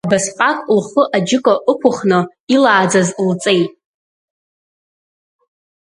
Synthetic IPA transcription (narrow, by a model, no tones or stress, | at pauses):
abasqʼakʷʼlχəʔad͡ʒɪkʼaʔəkʷʰʊχnɨ | ilaːd͡zazlt͡sʼe̞jtʼ